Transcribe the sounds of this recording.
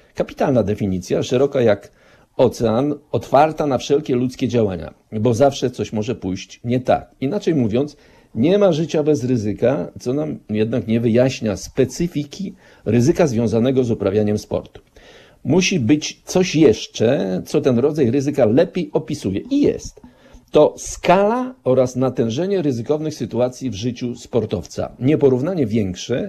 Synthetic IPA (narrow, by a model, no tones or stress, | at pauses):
kapʲi̥t̪alnad̪ɛfʲiɲit̪sʲjaʂɛɾɔkajak | ɔt̪sɛanɔt̪faɾt̪anafʂɛlkʲɛlut̪skʲɛd͡ʑawaɲa̰bɔzafʂɛt̪sɔɕmɔʐɛpujɕt͡ɕɲɛt̪a̰kinat͡ʂɛjmuvʲjɔnt̪s | ɲɛmaʐɘt͡ɕabɛzɾɘzɘkat̪sɔnamjɛd̪nakɲɛvɘjaɕɲaspɛt̪sɘfʲikʲi | ɾɘzɘkazvʲjɔ̃w̃zanɛɡɔzupɾavʲjaɲɛmspɔ̰ɾt̪u̥ | muɕibɘt͡ɕt̪sɔɕjɛʂt͡ʂɛt̪sɔt̪ɛnɾɔd̪zajɾɘzɘkalɛpʲjejɔpʲisujɛʔijɛ̰st̪ː | ɔskalaɔɾasnat̪ɛ̃w̃ʐɛɲɛɾɘzɘkɔvnɘxsɘt̪uat̪sʲjivʐɘt͡ɕuspɔɾt̪ɔ̰ft̪sa̰ɲɛpɔɾuvnaɲɛvʲjɛŋkʂɛ